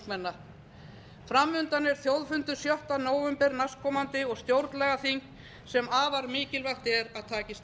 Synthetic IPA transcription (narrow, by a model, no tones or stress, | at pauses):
mɛnːa | fɾamːʏnt̪anɛɾ̥θjowðfʏnt̪ʏ̥sjɔht̪anoːwvɛmpɛɾnaskʰɔːmant̪ɪɔɣst̪jowɾt̪lɛɣaθiŋk | sɛmaːvaɾmɪːcɪlvaxt̪ɛɾaðt̪ʰaːcɪst̪